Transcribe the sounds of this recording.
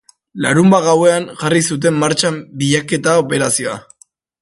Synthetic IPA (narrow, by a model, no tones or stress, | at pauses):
laɾumbaɣawe̞aŋʝarisut̪̬e̞mːaɾt͡ʃambiʎake̞t̪ao̞pe̞ɾasio̞a̰